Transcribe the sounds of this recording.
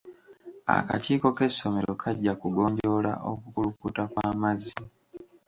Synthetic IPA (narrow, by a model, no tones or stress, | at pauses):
a̰ka̰ciːko̞ke̞sːo̞me̞ɾo̞kʰaɟːakuɡo̞ːɲɟo̞la̰ʔokukulukutakwaːmazi